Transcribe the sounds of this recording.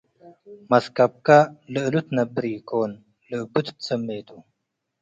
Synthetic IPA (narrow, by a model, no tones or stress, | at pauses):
mɐskɐp̚kalɨʔlut̪nɐbɾiːkoːn | lɨbut̪t͡səmːeːt̪u